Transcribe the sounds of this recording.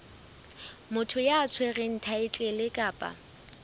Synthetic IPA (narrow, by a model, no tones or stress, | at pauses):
mʊtʰʊjaːt͡sʰweɣɪn̩tʰaɪt͡ɬʼɛlɪkʼaːpʼa̰